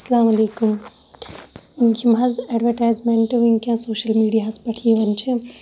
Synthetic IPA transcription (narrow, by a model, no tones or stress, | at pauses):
ɐsɐlaːmɐleːkum | unkimɦɐzeɖʋɐɾʈaːjzmẽɳʈɦunkʲãːsoːʃɐlmiːɖijaːspɐʈʰieʋɐnt͡ʃʰi